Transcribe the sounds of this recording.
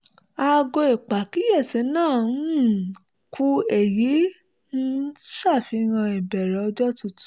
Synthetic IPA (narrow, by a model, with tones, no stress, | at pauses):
a˧ɡo˧e˨k͡pa˨ki˦jɛ˦˨se˨˦nãː˦˨˦ | ku˦e˨ji˨˦ | nũ˦ʃa˦˨fi˧ɣã˧ɛ˨bɛ˨ɾɛ˨˦ɔ˧d͡ʒɔ˦tu˧tu̥˦